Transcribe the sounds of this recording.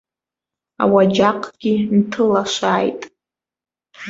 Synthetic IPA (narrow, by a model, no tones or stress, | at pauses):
a̰wad͡ʒaqʰʼɡ̥ʲintʰɨlaʃaːjtʼ